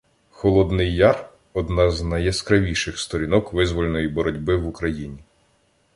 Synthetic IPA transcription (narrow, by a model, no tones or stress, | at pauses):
xɔlˠɔd̪nɪjːɑr | ɔd̪nɑznɐjɐskɾɐʋʲiʃɪxst̪ɔɾʲinɔkʋɪzʋɔlʲenɔjibɔɾɔdʲbɪʋukɾɐjinʲi